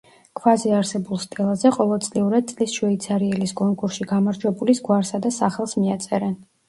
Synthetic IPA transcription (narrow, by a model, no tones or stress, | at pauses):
kʰvazɛaɾsɛbulˠst̪ʼɛlˠazɛqʼɔlˠɔd̪sʼliuɾad̪̚tsʼlisʃwɛit̪sʰaɾiɛliskʼɔŋkʼuɾsʃiɡamaɾd͡ʒwɛbulisɡwaɾsad̪asaχɛlˠsmiat̪sʼɛɾɛn